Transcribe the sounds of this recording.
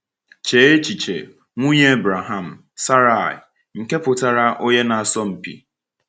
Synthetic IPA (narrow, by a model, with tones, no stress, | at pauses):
t͡ʃe˨˦e˦t͡ʃi˨t͡ʃḛ˨ | ŋʷu˦ɲe˦bɾa˨ɦa˦˨m̩˨ | sa˦ɾa˦˨ɪ̰˨ | ŋ̩˨ke˦pʊ˨ta˨ɾa˦ʔo˦ɲe˦na˨a˨sɔ˦m̩˨pḭ˨